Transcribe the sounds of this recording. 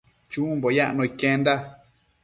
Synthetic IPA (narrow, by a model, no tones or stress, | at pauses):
t͡ʃũũmboja̰ʔnõikẽnda